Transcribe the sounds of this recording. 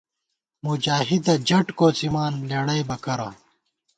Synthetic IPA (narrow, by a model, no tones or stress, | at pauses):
mud͡ʑaːɦid̪ɐd͡ʑɐʈkoːt͡simaːnleːɽɐjbɐkɐɾaː